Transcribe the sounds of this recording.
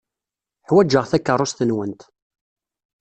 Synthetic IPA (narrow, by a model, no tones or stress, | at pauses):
ħwæd͡ʒəʁθækːərˤːʊst̪ənwənt̪